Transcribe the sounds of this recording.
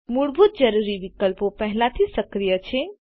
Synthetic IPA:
muɽbʱut̪̚d͡ʒəɾuɾiʋikəlpopəɦlat̪ʰisəkɾijət͡ʃʰe

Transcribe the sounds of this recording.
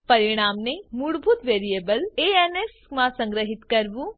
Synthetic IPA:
pɐɾiɽ̃aːmnemuɽbʱut̪ʋeːɾijeːbəleenesmãsɐ̃ŋɡɾəɦit̪kɐɾʋũ

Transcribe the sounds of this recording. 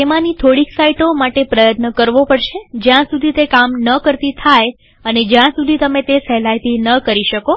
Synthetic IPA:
t̪emãnit̪ʰoɽiksaiʈomaʈepɾəjət̪nəkəɾʋopəɽʃed͡ʒjãsud̪ʱit̪ekamnəkəɾt̪it̪ʰaj | əned͡ʒjãsud̪ʱit̪əmẽt̪efɛlajt̪inəkəɾiʃəko

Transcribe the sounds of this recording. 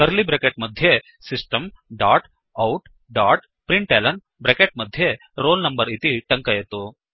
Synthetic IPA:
k̪ɐɾlibɾekeʈmɐd̪ʱje | sisʈɐmɖaːʈ | ɐwʈ | ɖaːʈ | pɾiɳʈeːlɐn | bɾekeʈ̚mɐd̪ʱje | ɾoːlnɐmbɐɾit̪iʈɐŋkɐjɐt̪u

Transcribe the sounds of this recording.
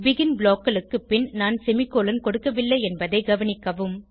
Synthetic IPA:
ʋɪɣɪnbɭoːkːɐɭɯkːɯpːɪnnaːnsɛmɪkːoːlɐnkɔɽɯkːɐʋɪlːɐɪɛnbɐðɐɪɡɐʋɐnɪkːɐʋɯm

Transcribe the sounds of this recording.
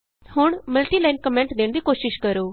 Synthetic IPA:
hʊɳməlʈiːlaːinkəmɛ̃ːɳʈd̪eːɳd̪iːkoːʃɪʃkəɾoː

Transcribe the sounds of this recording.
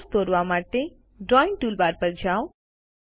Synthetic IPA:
st̪oːɾʋamaːʈe | ɖɾɔːɪɳʈuːlbaːɾpəɾd͡ʒaːo

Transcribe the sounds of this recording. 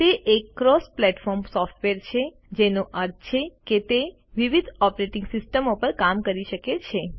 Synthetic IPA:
t̪eʔekːɾɔsplɛʈfɔɾmsɔfʈʋeɾt͡ʃʰe | d͡ʒenoʔəɾd͡ʒt͡ʃʰeket̪e | ʋiʋid̪ʱɔpɾeʈɪ̃ŋɡsɪsʈəmopəɾkamkəɾiʃəket͡ʃʰe

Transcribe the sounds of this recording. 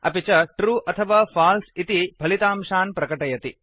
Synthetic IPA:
ɐ̰pit͡ʃɐʈɾuːʔɐt̪ʰɐʋaːfʰaːlsit̪ibʱɐlit̪aːmʃaːnpɾɐkɐʈɐjɐt̪i

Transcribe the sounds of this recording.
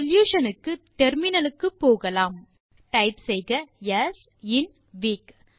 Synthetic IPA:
ɔljuːʂɐnɯkːɯʈ̪ɛɾmɪnɐlɯkːɯpːoːɣɐlaːm | ʈɐɪpsɛjɣɐjɐs | ɪn | ʋiːk

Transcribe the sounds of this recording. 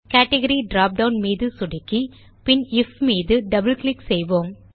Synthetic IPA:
kaːʈɛɣɐɾiɖɾaːp̚ɖɐʊnmiːðɯsʊɽɪkːi | pɪnɪfmiːðɯɖɐbɐlklɪksɛjʋoːm

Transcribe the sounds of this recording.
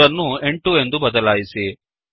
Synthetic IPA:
ɐnueɳʈuend̪ubɐd̪ɐlaːjisi

